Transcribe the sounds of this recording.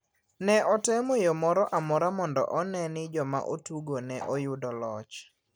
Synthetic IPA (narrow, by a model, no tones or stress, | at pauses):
nɛʔɔtɛmojomɔɾɔʔamɔɾamɔndɔ̰ʔɔnɛnɪd͡ʒɔma̰ʔotuɡonɛʔɔjʊdɔlɔt͡ʃ